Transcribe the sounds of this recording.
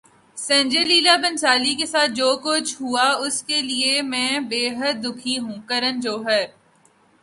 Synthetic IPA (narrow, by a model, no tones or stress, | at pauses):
sɛ̃ːɲd͡ʒeliːlabɐ̃nsaːlikesaːt̪̚ʰd͡ʒoːkʊt͡ʃʰɦuaʊskeliemɛ̃ːbeːɦəd̪̚ːʊkʰiɦũːkɐɾənd͡ʒoːɦɛː